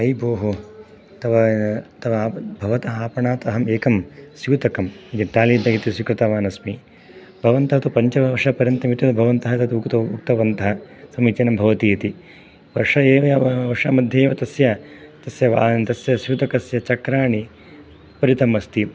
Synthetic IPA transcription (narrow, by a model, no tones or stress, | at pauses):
ɐjboːɦu | t̪ɐʋɐt̪ɐʋɐːbʱɐʋɐt̪ɐɦaːpɐɳaːt̪ɐɦɐmeːkɐmsjuːt̪ɐkɐmid̪it̪aːliːd̪ɐjit̪isikɾɨt̪aʋaːnɐsmi | bʱɐʋɐnt̪ɐɦɐt̪upɐɲt͡ʃɐʋɐʂɐpɐɾjɐnt̪ɐmit̪jɐɐbʱɐʋɐnt̪ɐɦɐt̪ɐt̪uukt̪ɐukt̪ɐʋɐnt̪ɐɦɐsɐmit͡ʃɐːnɐmbʱɐʋɐt̪iːt̪i | ʋɐʂɐeːʋɐjɐʋɐʂaːmɐd̪ʱjeːʋɐt̪ɐsjɐt̪ɐsjɐʋaːt̪ɐsjɐsjuːt̪ɐkɐsjɐt͡ʃɐkɾaːɳi | pɐɾit̪ɐmɐst̪i